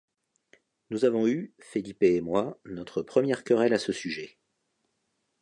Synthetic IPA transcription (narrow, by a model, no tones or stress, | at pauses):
nuzavɔ̃yfelipeːmwanɔt̪χəpχəmjɛʁkəʁɛlasəsyʒɛ